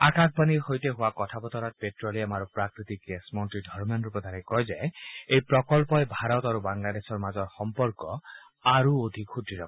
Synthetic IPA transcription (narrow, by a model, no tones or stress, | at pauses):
akak̚ʰbaniɾhojteɦʊwakɔtʰabɔt̪ɔɾat̚petɾɔliamaɾɔpɾakɾit̪ikɡesmɔntɾidʱɔɾmjɔnɾupɔd̪ʱanikɔjzajejpɾɔkɔlpɔjbʱaɾɔt̪aɾubaŋlad̪esɔɹmazɔɾxɔmpɔɾkɔ | aɾuod̪ʱikxut̪ɾiɾɔkɔ